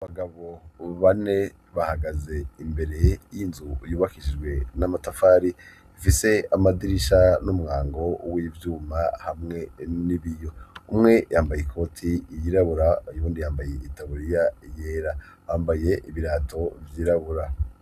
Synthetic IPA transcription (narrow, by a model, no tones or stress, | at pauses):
βaɡaβo̞βane̞ | βahaɡaze̞imbe̞ɾe̞jinzujuːβakiʒid͡ʒɡwe̞namatafaːɾi | ifise̞amadiɾiʃanumuŋaːŋɡo̞wiːvjuːmahamŋe̞niβijo̞umŋe̞jaːmbajekʰo̞tʰijiɾaβuɾajuːndijaːmbaje̞itaβuɾijajeːɾa | βaːmbaje̞ʔiβiɾaːtʰo̞vjiːɾaβuɾa